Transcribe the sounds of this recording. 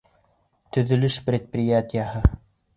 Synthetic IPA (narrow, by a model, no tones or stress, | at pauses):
t̪ɵ̆ðɵ̆lɵʃprʲet̪̚prʲɪjat̪ʲɪjahɤ